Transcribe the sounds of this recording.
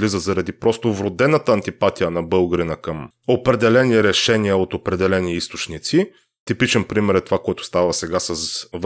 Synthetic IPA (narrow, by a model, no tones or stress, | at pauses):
lizəzɐɾɐd̪ipɾɔst̪ovɾod̪ɛnət̪əːnt̪ipat̪ijənɐbɤlˠɡɾinəkəm | opɾɛd̪ɛlɛniɾɛʃɛniəot̪opɾɛd̪ɛlɛniist̪o̥t͡ʃnit̪si | t̪ipit͡ʃɛnpɾimɛɾɛt̪ovakoɛt̪ʊ̥st̪avəsɛɡasəsv